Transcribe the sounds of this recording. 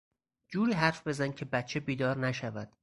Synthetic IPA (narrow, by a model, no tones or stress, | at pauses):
d͡ʒuːɾiːɦæɾfbe̞zæncʰe̞bæt̪̚t͡ʃʰe̞biːd̪ɒːɾnæʃævæd̪̥